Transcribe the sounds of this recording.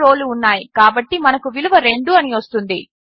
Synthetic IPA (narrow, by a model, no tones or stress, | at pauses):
ɾo̞ːluːnːaːjikaːbɐʈːimɐnɐkuʋiluʋɐɾe̞ɳɖuɐniʋɐst̪und̪i